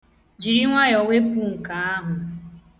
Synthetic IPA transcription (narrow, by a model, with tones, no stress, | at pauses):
d͡ʒi˨ɾi˦ŋʷa˦jɔ˨we˦pu˦ŋ̩˨ka˨a˦ɦʊ˨